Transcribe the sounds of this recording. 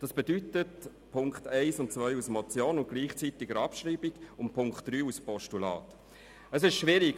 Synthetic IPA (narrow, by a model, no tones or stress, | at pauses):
d̥ɑsb̥edytət | pʰʊŋkχtɛɪsʊntt͡svœʏusmɔt͡sjoːnʊntɡ̥liːχt͡sitɪɡəɾɑpʃɾiːbiɡ̥ʊnpʰʊŋktd̥ryːuspɔʃtulɑ̰ːt | əsɪʃʃʋɪɾiɡ